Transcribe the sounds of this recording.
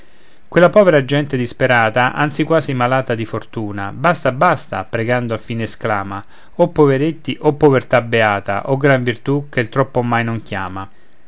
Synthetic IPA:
kwelːapɔːveɾad͡ʒɛnt̪ed̪ispeɾaːt̪aʔa̰nt̪sikwaːzimalaːt̪ad̪ifort̪uːnabast̪abast̪a̰pɾeɡand̪oafːiːneːsklaːma | opːoveɾet̪ːiʔopːovert̪abeaːt̪a̰ʔoɡɾaɱvirt̪uk̟elt̪ɾɔpːomajnoŋkjaːma

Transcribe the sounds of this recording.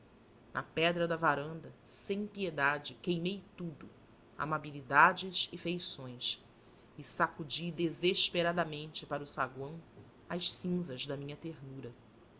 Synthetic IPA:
nʔɐ̰pɛd̪ɾɐd̪ɐvaɾɐ̃nd̪ɐsẽj̃pied̪ad͡ʒɪkejmejt̪ud̪ʊ | a̰mabilid̪ad͡ʒɪzɪfejsõj̃s | ɪsakud͡ʒid̪ezeʃpeɾad̪ɐmẽnt͡ʃɪpaɾusaɡwɐ̃w̃ | ɐʃsĩzɐʒd̪ɐmĩɲɐt̪eɾnuɾɐ

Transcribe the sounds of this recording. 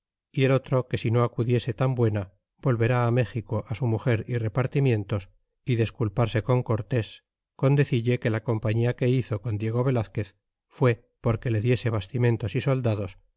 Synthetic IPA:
ie̞lo̞t̪ɾo̞ke̞sino̞akuðje̞se̞t̪ambwe̞na | bo̞lβe̞ɾaːme̞xiko̞ʔasumuxe̞ɾire̞paɾt̪imjẽ̞nt̪o̞s | iðe̞skulpaɾse̞ko̞ŋko̞ɾt̪e̞s | ko̞nd̪e̞θiʎeke̞lako̞mpaɲiake̞iθo̞ko̞nd̪je̞ɣ̞o̞βe̞laθke̞θ | fwe̞ | po̞ɾke̞le̞ðje̞se̞β̞ast̪imẽ̞nt̪o̞siso̞ld̪aðo̞s

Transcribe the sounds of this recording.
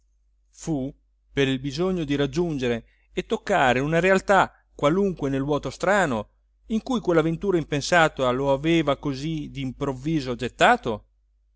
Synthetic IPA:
fu | peɾilbizoɲːod̪iɾad͡ʒːund͡ʒeɾe | et̪ːokːaːɾeunaɾealt̪a | kːwaluŋkwenelwɔːt̪ost̪ɾaːno | iŋkujkwelːavent̪uːɾaimpensaːt̪aloaveːvakozid̪impɾovːiːzod͡ʒet̪ːaːt̪o

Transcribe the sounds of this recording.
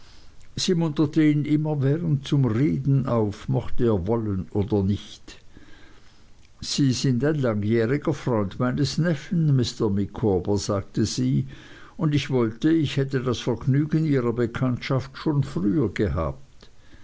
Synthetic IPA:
z̥iːmʊntɐtəiːnʔɪmɐvɛːʁənt̚t͡sʊmʁeːdn̩ʔaʊfmɔxtəeːɐvɔlənʔoːdɐnɪçt | z̥iːzɪndaɪnlaŋjɛːʁɪɡɐfʁ̥ɔʏndmaɪnəsnɛfən̩mɪstɐmɪkʰoːbəz̥aːk̚təz̥iː | ʊndɪçv̥ɔltəɪçhɛtədasfɛɐɡnyːɡəniːʁɐbəkʰantʃaftʃoːnfʁyːɐɡəɦa̰ːp̚t

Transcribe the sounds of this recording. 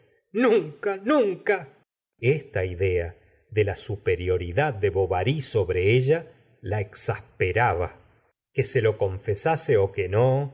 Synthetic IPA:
nuŋkanũŋka | est̪aiðea | ðelasupe̞ɾjo̞ɾiðad̪̚ːe̞βo̞βaɾiso̞βɾeeʒa | laeksahpeɾaβa | keselo̞ko̞ɱfesaseokeno

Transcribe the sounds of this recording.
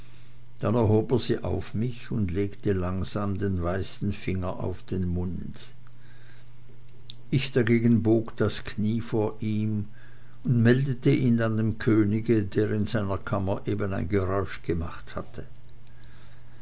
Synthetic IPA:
d̥anɛɐhoːbəziːʔa̰ʊfmɪçʊndleːktəlaŋzaːmdeːnvaɪsn̩fɪŋɐʔa̰ʊfd̥eːnmʊnd | ʔɪçd̥aɡeːɡən̩boːkd̥askʰniːfoːɐʔiːm | ʊndmɛldətəʔiːnandeːmkʰøːnɪɡədeːʁɪnzaɪnɐkʰamɐʔeːbənaɪnɡəʁɔʏʃɡ̥əmaχthatʰə

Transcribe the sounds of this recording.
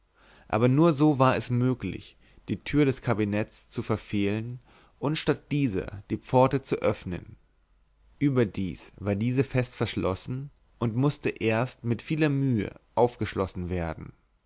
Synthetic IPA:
ʔa̰ːbɐnuːɐzoːvaːɐɛsmøːklɪ̰ç | d̥iːtʰyːɐdɛskʰabinɛt͡st͡sufɛɐfeːlən | ʔʊntʃtat̚d̥iːzɐ̰d̥iːp͡fɔɐtət͡suʔœfnə̰n | ʔyːbɐdiːsv̥aːɐdiːzəfɛstfɛɐʃlʔɔsn̩ | ʔʊntmʊstəʔeːɐstmɪtfiːlɐmyːə̰ʔaʊfɡ̥əʃlɔsn̩veːɐdn̩

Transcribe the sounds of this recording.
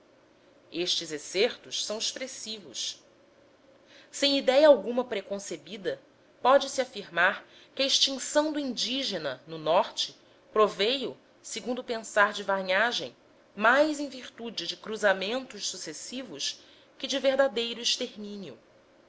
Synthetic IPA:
eʃt͡ʃɪzesɛɾt̪ʊʃsɐ̃w̃ɪʃpɾesivʊ̰s | sẽj̃id̪ɛjɐawɡũmɐpɾekõsebid̪ɐ | pɔd͡ʒɪsiafiɾmaɾ | kʲɪɐiʃt͡ʃĩŋsɐ̃w̃d̪uĩnd͡ʒiʒenɐnʊnɔɾt͡ʃɪ̥ | pɾovejʊ | seɡũnd̪ʊpẽsaɾd͡ʒɪvaɲaʒẽj̃ | majzẽj̃viɾt̪ud͡ʒɪd͡ʒɪkɾuzamẽnt̪ʊʃsusesivʊs | kɪd͡ʒɪveɾd̪ad̪ejɾʊiʃt̪eɾmĩnjʊ̰

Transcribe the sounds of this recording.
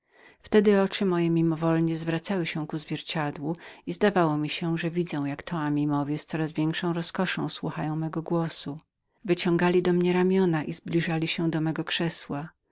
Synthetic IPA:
ft̪ɛd̪ɘɔt͡ʂɘmɔjɛmʲimɔvɔlɲɛzvɾat̪sawɘɕɛ̃kuzvʲjɛɾt͡ɕad̪wuizd̪avawɔmʲiɕɛʐɛvʲid̪zɛ̃w̃jakt̪ʰɔamʲimɔvʲjɛst̪sɔɾazvʲjɛŋkʂɔ̃w̃ɾɔskɔʂɔ̃w̃swuxajɔ̃w̃mɛɡɔɡwɔsu | vɘt͡ɕɔ̃ŋɡalʲid̪ɔmɲɛɾamʲjɔnaʔizblʲiʐalʲiɕɛd̪ɔmɛɡɔkʂɛswa

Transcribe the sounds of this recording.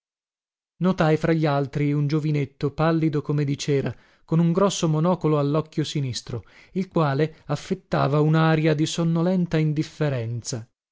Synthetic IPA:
not̪ajfɾaʎːalt̪ɾiund͡ʒovinet̪ːopalːid̪okomed̪it͡ʃɛːɾa | konuŋɡɾɔsːomonɔːkoloalːɔkːjosinist̪ɾoilkwaːleafːet̪ːa̰ːvaunaːɾjad̪isonːolɛnt̪aind̪ifːeɾɛnt̪sa

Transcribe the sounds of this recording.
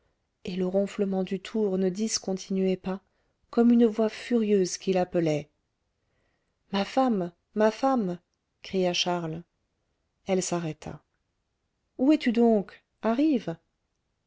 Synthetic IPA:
eləʁɔ̃fləmɑ̃d̪yt̪ʰuʁnəd̪iskɔ̃t̪ʰinɥɛpa | kɔmynvwafyʁjøzkʲilapəlɛ | mafamː | afam | kχijaʃaʁl | ɛlsaʁɛt̪ʰa̰ | uɛt̪yd̪ɔ̃k | aʁiv

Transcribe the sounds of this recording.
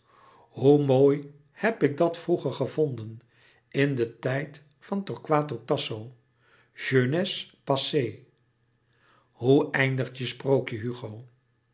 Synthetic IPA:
ɦumoːj | hɛpɪk̚dɑtfruχəɹχəvondən | ɪndətɛjt | fɑntɔɹkʋaːtotɑsow | ʒønɛspɑsej | ɦuɛjndəχtjəsprowkjəɦyχow

